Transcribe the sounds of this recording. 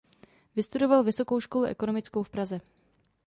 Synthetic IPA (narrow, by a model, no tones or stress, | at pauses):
vɪst̪udo̞valvɪso̞ko̞wʃko̞luʔɛ̰ko̞no̞mɪt͡skowfpɾazɛ